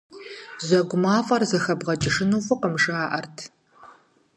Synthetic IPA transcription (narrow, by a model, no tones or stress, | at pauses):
zʷɐɡʷʊmaːfʼɐrzɐxɐbʁɐt͡ʃʼɪʂɨnuːfʼʊqəmʂɨaːʔɐrtʰ